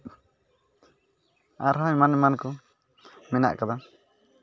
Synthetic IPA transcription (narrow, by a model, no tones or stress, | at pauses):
a̰ɾɦɔ̃ɲmanmankɔ | mɛna̰ʔkad̪a